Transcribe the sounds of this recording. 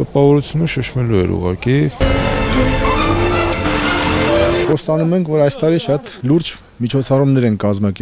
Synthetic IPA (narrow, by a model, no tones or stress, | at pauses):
t̪əpɑvɔɾut͡sʰjunəʃəʃmɛluɛ̰ɾṵʁɑki | χɔst̪ɑnumɛŋkʰvɔɾɑjst̪ɑɾiʃɑt̪luɾd͡ʒ | mit͡ʃʰɔt͡sʰɑrumnɛɾɛnkɑzmɑkɛ